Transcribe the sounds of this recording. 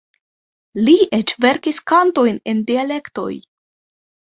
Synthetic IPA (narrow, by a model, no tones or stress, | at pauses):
liʔe̞t͡ʃve̞ɾkiskanto̞jne̞ndiale̞kto̞̰j